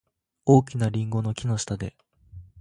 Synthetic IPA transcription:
oːk̬ʲinaɾʲĩŋɡo̞no̞kʲino̞ɕi̥t̪ad̪e̞

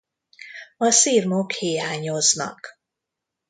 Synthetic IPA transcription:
ɒsiːrmokhiːaːɲo̞znɒ̰k

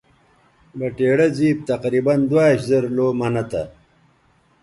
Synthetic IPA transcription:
bɐʈeːɽɐziːb̚t̪ɐqɾiːbɐnd̪waːɕzɐɾloːmɐnɐt̪ɐ

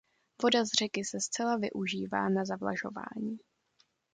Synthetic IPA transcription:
vo̞dazr̝ɛkɪsɛst͡sɛlavɪ̰ʔuʒiːva̰ːnazavla̰ʒo̞̰va̰ːɲiː

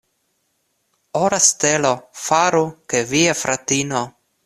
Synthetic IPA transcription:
oɾast̪elofaɾukeviafɾʔat̪ino

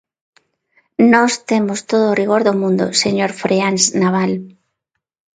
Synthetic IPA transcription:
nɔst̪emost̪oð̞oːriɣ̞oɾðomũnd̪o̰seɲoɾfɾeanznaβ̞al

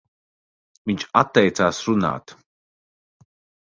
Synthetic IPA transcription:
viɲʲt͡ʃat̪ːɛjt̪saːsɾuna̰ːt̪

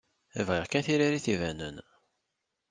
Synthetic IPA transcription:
ævʁiʁkænθiɾaɾiθivænə̰n

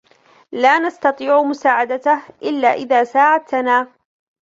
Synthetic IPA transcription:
laːnast̪ɑt̪ˤiːʕmʊsaːʕad̪at̪ahʔɪlːaːʔɪðaːsaːʕat̪naː

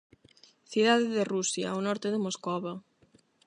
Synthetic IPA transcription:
θiðaðeðerusja̰wnɔɾt̪eðemoskoβa

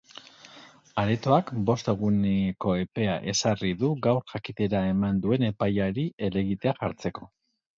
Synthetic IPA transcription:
aɾet̪o̞akbo̞st̪e̞ɣ̞uneko̞e̞pe̞a̰ʔe̞sariðuɡawɾʝakit̪e̞ɾae̞mand̪ue̞ne̞pajaɾie̞le̞ɣit̪e̞aʝaɾt͡se̞ko̞

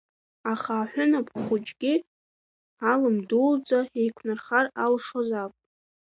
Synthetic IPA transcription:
aχaːħʷᶣʊnapʰχʷʊt͡ʃʼɡʲi | alɨmduld͡zaejkʷʰnɨrχaralʂozapʷʼ

